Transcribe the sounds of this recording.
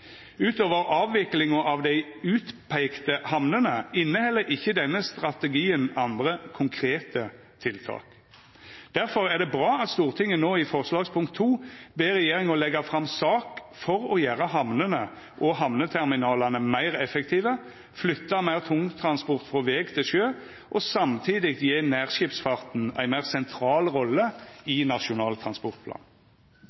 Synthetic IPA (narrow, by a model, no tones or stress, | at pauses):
ʉːt̪oːʋəʁɑːʋːɪklɪŋɔʔɑʋd̪æɪʉːt̪pʰæɪkt̪əhɑmnənəɪnːəhɛlːəɾɪçːəd̪ɛnːəst̪ʁɑt̪əɡiːənɑnd̪ʁəkʰʊŋkʰʁeːt̪ə | t̪ʰɪlt̪ʰɑ̰ːk | d̪̥æʁfɔʁæʁd̪ɛbʁɑːɑt̪st̪uːʁt̪ʰɪŋːənoːɪfɔʁslɑːɡspʰʊŋkt̪ʰːuːbeːʁɛjeːɾɪŋɔlɛɡɑfʁɑmsɑːk | fɔʁɔjæːʁəɦɑmnənə | ʔɔɦɑʋnət̪ʰɛʁmɪnɑːlɑnəmæɪʁɛfɛkt̪ʰiːʋə | flʏt̪ːɑmæɪʁt̪ʰʊŋt̪ʰɾɑnspɔʁt̪fʁɔʋeːɡt̪ʰɪlʃøː | ʔɔsɑmt̪ʰiːd̪ɪkjeːnæːʁʃɪpsfɑʁt̪næ̰ɪmæɪʁsɛnt̪ʰɾɑːlʁɔlːəɪnɑʃʊnɑːlt̪ʰʁɑnspɔʁt̪pʰlɑ̰ːn